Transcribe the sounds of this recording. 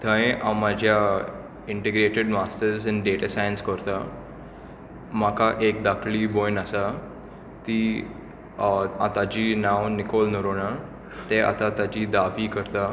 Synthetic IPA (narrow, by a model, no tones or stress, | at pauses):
t̪ʰə̃j̃ʔawmad͡ʑʱja | iɳʈiɡɾeʈeɖmasʈəɾsinɖeʈasajənskəɾt̪a | m̤akaʔek̚d̪akʰlibojnasa | t̪i | at̪ad͡ʑinawnikolnəɾoɽa | t̪eʔa̰t̪at̪ad͡ʑid̪aʋikəɾt̪a